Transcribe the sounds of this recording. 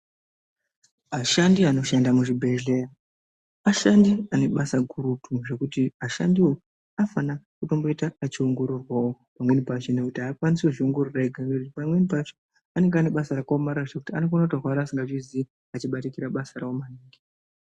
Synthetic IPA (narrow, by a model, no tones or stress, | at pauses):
aʃandiano̞ʃandamuʐibʱe̞ɮe̞ra | aʃandiane̞ɓasaɡʱuɾutʰuʐe̞kutiaʃandiwo | afanakuto̞mbo̞itaːt͡ʃioŋɡo̞ɾurwawopamwe̞nipat͡ʃene̞kutiaːkwanisuʐioŋɡo̞ruraiɡʱanekutipamwenipat͡ʃe̥ | ane̞ŋɡeane̞ɓasaɾakomaɾaʐekutiano̞fanautaɦwaɾaːsiŋɡaʐizi | at͡ʃiɓatikiɾaɓasaraomaniːŋɡi